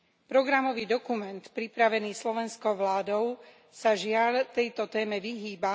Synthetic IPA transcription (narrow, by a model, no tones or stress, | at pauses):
pɾɔɡɾamɔʋiːd̪ɔkumɛnt̪pɾipɾaʋɛniːslɔʋɛnskɔʊʋlaːd̪ɔʊ | saʒɪalt̪ɛjt̪ɔt̪ɛːmɛʋiɦiːba